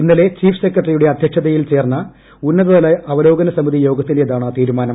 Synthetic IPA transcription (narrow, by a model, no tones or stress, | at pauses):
inːɐle̞t͡ɕiːfsekːrɐʈrijuɽeɐd̪ʱjɐkʂɐðɐjilt͡ɕe̞ːrnːɐ | unːɐɾɐðɐlɐɐʋɐlo̞ːɡɐnɐsɐmiðijo̞ːɡɐt̪ːineðaːɳaːt̪iːɾumaːnɐm